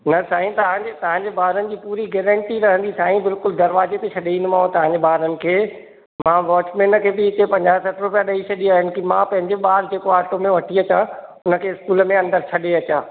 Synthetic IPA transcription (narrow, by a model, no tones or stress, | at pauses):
nɐsaːɦĩt̪ɐʋ̤ãɲd͡ʑet̪ɐʋ̤ãːɲd͡ʑeɓaːɾənɪ̆d͡ʑiːpuːɾiɡɛːɾə̃ɳʈiɾɐɦə̃nd̪isaːɦĩbɪlkʊld̪ɐɾʋaːzet̪et͡ɕʰɐɗeĩnd̪mãːɦõt̪ɐʋ̤ãɲd͡ʑeɓaːɾənɪ̆kʰeː | mãʋɔːt͡ɕmẽːnkʰeːbɪɪt̪epɐ̃ɲd͡ʑaːsɐʈɾʊpijaɗɐit͡ɕʰɐɗiaːɦənɪ̆kimãpɐ̃ɦɪ̃ɲd͡ʑeɓaːɾd͡ʑeːkoaːʈomẽʋɐʈʰiɐt͡ɕãʊnə̆kʰeːɪskuːlmẽɐ̃nd̪əɾt͡ɕʰɐɗeɐt͡ɕãː